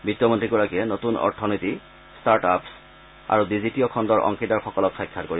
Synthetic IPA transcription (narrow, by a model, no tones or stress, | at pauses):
bitːjɔmontɹiɡɔɹakiɛnotunɔ̰ɹtʰɔnojti | staɹtaps | a̰ɹubizitijɔkʰɔndɔɹʔɔ̰ŋkidaɹxɔkɔlɔksɔjkʰːatkoɹi